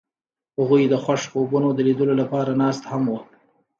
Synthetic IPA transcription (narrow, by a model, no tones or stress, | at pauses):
haɣujd̪əxwaʃkobunod̪əlid̪əlolapɑɾanɑst̪hamwə